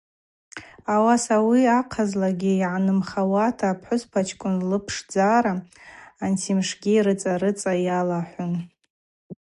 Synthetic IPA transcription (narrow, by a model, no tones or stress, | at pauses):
awasawiaqʰazlaɡʲijʕanɨmχawatʰaːpʰħʊspʰat͡ʃʰkʷʼʊnlɨpʰʂd͡zaɾaː | ntʰimʂɡʲiɾɨt͡sʼaɾɨt͡sʼajalaħʷʊn